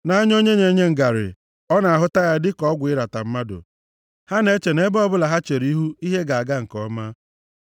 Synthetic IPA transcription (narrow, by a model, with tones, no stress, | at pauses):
na˦a˦ɲ˦o˦ɲe˦ɲe˨˦ɲe˦ŋ̩˨ɡa˨ɾɪ̰˨ | ɔ˦na˨a˨ɦʊ˦ta˦ja˦dɪ˦kɔ˦ɡʷɪ˦ɾa˨ta˨m̩˦ma˦dʊ̰˨ | ha˦ne˦t͡ʃe˨ne˦bɔ˦bʊ˦la˨ɦa˦t͡ʃe˨ɾi˦ɦu˦i˦ɦe˦ɡa˨a˨ɡa˦ŋ̩˨kɔ˦ma˦